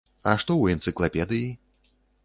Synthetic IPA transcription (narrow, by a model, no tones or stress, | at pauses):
ɐʂt̪ɔwɛnt̪sɨklˠapʲɛd̪ɨji